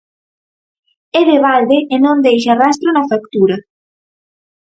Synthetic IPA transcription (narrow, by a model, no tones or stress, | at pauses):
eðeβald̪eʔenõnd̪ejʃarast̪ɾonafakt̪uɾa